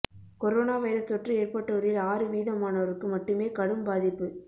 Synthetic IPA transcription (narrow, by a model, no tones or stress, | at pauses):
kɔɾoːnaːʋɐɪɾɐsɔʈrɯeːrpɐʈːɐɔɾjɪlaːɾɯʋiːðɐmaːnɐʋɐɾɯkːɯmɐʈːɯmeːkɐɽɯmbaːðɪpːɯ